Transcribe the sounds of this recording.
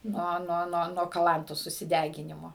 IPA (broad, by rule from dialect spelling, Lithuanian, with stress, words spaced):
ˈnuɔ ˈnuɔ ˈnuɔ nuɔ kɐˈlˠɐntoːs sʊsʲɪˈdʲæːɡʲɪnʲɪmoː